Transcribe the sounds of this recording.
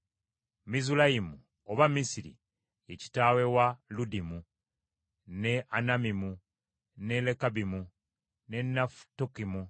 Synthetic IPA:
mizulajimu | oβamisiɾḭ | eci̥tawe̞waludimu | ne̞ʔanamimu | ne̞lekabimu | ne̞nːaftokimu

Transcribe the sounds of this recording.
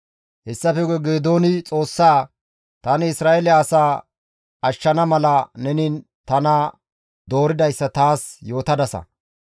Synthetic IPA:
hɛsːɐfɛɡɛɡeːd̪o̞ːnɪt͡sʼo̞ːsːaː | t̪ɐnɪɪsɾaːelɪaːsaː | ʔɐʃːɐnɐmɐlɐnɛnin | t̪ɐnɐ | d̪o̞ːɾɪd̪ɐjsːɐt̪aːsjo̞ːt̪ɐd̪ɐsɐ̰

